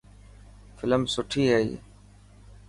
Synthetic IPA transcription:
fɪləmsʊʈʰiːɦeːḭː

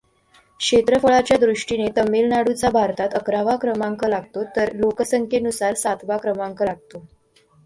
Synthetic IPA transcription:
kɕʂet̪ɾəfəɭat͡ɕjad̪ɾuʂʈinet̪əmːilnaɽut͡sabʱaɾt̪at̪əkɾaʋakɾəmaŋkəlaɡ̚t̪ot̪əɾlokəsəŋkʰenusaɾsat̪ʰʋakɾəmaŋkəlaɡ̚t̪o

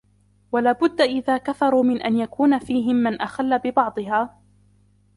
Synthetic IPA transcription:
walaːbʊd̪ːaʔɪðaːkaθɑɾˤuːmɪnʔanjakuːnafiːɦɪmːanʔaxalːabɪbɑʕd̪ˤɨɦaː

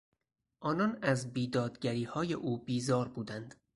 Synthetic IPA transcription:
ʔɒːnɒːnæzbiːd̪ɒːd̪ɟæɾiːhɒːje̞ʔuːbiːzɒːɾbuːd̪ænd̪̥

